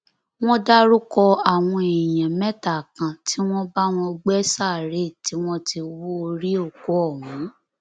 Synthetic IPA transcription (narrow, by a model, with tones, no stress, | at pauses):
w̃ɔ̃˦da˦ɾu˦kɔ˧a˨w̃ɔ̃˧e˨jã˨mɛ̃˦ta˨kã˨ti˦w̃ɔ̃˦ba˦w̃ɔ̃˧ɡ͡bɛ˦sa˦˨ɾe˦˨ti˦w̃ɔ̃˦ti˧wu˦o˧ɾi˦o˦˨ko˨˦ɔ˦˨wũ˨˦